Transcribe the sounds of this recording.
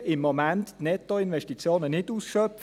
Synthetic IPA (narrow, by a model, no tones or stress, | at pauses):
ɪmːomænttnɛt̪oinʋɛʃtit͡sjoːnənɪduːsʃœpf